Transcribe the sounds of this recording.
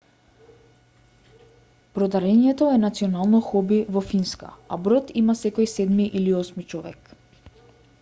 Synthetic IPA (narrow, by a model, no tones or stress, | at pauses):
pɾɔd̪aɾɛnijɛt̪ɔɛnat̪siɔnalˠnɔxɔbivɔfinska̰a̰bɾɔt̪imasɛkɔjsɛd̪miʔiliɔsmit͡ʃɔvɛ̰k